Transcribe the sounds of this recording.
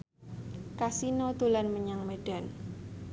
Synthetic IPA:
kasinɔd̪̥o̤lanməɲaŋmeɖ̥a̤n

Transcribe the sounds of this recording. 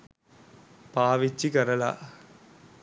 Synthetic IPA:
paːʋɪt͡ʃːikɐɾɐla̰ː

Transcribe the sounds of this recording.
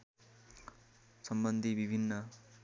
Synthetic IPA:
sʌmbʌnd̪ʱibibʱinːʌ

